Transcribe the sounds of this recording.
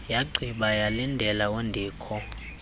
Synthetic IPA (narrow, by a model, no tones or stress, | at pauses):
jaɡ͡ǀʱiɓajalindʱɛlawendʱiːkʰɔ